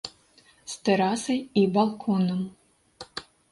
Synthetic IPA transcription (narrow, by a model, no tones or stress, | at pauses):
st̪ɛɾasɐjibalˠkʰɔnɐm